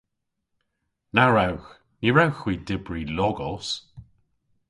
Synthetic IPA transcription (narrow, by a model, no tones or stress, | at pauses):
naɹawx | niɹawxwiːdɪbɹilɔɡɔs